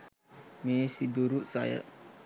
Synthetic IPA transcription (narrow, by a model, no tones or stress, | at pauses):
mesid̪uɾuʔsa̰jə̰